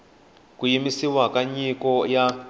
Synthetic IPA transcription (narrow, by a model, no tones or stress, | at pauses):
kujimisiwakaɲikɔja